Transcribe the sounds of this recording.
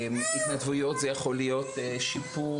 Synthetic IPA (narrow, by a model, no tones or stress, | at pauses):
mit̪nadvujo̞t̪zejaχo̞lijo̞teʃipu